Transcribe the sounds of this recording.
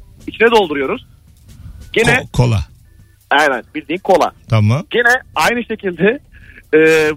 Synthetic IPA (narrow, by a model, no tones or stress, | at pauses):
it͡ʃʰinɛd̪o̞lˠd̪uɾujo̞ɾuz̥ | ɟ̥enɛkʰolˠa̰ | ɛjnɛnbilʲd̪iːnkʰo̞lˠa̰t̪ʰamamɟenɛajnɯʃe̞cʰilʲd̪ɛː